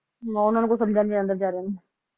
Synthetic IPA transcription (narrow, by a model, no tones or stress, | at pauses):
ʊnəːnũkosɐmd͡ʒʱaːnɡeɐnd̪əɾd͡ʒaːɾen